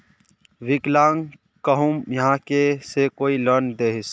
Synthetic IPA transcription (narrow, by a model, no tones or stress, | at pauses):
ʋɪklãːŋ | kəɦumjɐɦãkesekoːiləɾnd̪eːɦɪs